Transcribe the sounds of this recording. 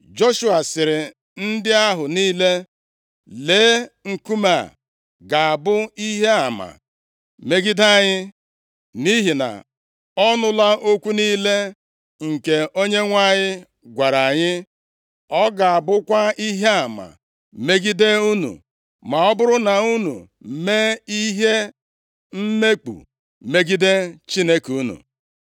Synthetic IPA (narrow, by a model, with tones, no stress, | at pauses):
d͡ʒo˦ʃu˦a˨sɪ˨ɾɪ˨ | n̩˦dɪ˦a˦ɦʊ˨niː˦le˦ | leː˨˦ŋ̩˨ku˦ma̰˨ | ɡa˨a˨bʊ˦i˦ɦe˦a˨ma̰˨ | me˦ɡi˦da˦˨ɲɪ˦ | mi˦ɦi˨na̰˨ | ɔ˦nʊ˦la˦o˦kʷu˦niː˦le˦ | ŋ̩˨ke˨o˦ɲe˦ŋʷa˦˨ɲɪ˦ | ɡʷa˨ɾa˨ɲɪ˦ | ɔ˦ɡa˨a˨bʊ˦kʷa˦i˦ɦe˦a˨ma̰˨ | me˦ɡi˦de˦u˦nṵ˨ | ma˨ɔ˦bʊ˦ɾʊ˦na˨u˦nṵ˨ | me˦i˦ɦe˦ | m̩˦me˦k͡pṵ˨ | me˦ɡi˦de˦t͡ʃi˦ne˦ku˦nṵ˨